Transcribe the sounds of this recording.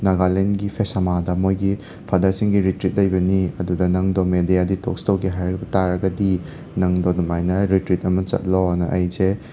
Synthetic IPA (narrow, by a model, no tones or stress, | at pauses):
naɡalenɡipʰesɐmadɐmojɡi | pʰadɐsiŋɡiɾitɾit̚lɐjbɐniɐdudɐnɐŋdomedijaditok̚stɐwɡiɦajɾɐk̚bɐtaɾɐɡɐdi | nɐŋdodɔmajnɐɾitɾit̚ɐmɐt͡ʃɐ̰t̚lonɐʔɐjze